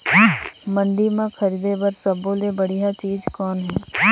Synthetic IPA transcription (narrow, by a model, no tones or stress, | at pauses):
mə̃ɳɖimãkʰəɾiːd̪ebəɾsəbõlebəɽ̤ijat͡ʃiːd͡ʒkɔːnɦɛː